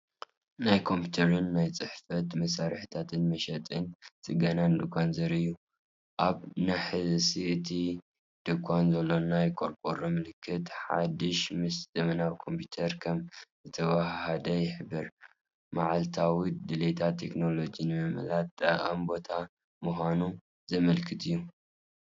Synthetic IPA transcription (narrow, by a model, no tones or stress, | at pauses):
najkʰo̞mpʰut̪ʰɐɾɨnːajt͡sʼɨħfɐt̪mɐsaɾħit̪ʰat̪ʰɨnmɐʃɐt̪ʼɨnt͡sʼɨɡɐnand̪ɨkʰʷʼːanzɐɾɨjːu | ʔaβnaħɨsiɨt̪ʰi | d̪̥ɨkʰʷʼːanzɐlːonajkʰʼoɾpʼoɾomɨlɨkʰːɨt̪ħa̰d̪iʃmɨszʼɨmɨnawkʰo̞mpʰut̪ʰɐɾkʰɐmzɨt̪ʰɐβahhɐd̪ɐjɪħɨbɨɾ | maʕalt̪ʰawid̪ɨlet̪ʰat̪ʰːe̞kno̞lo̞d͡ʒinɨmɨm̰lat̪̚ʼːɐʔɐmbo̞t̪ʰa | muxʷanu | zɐmɐlkʰɨt̪ʰɨjːu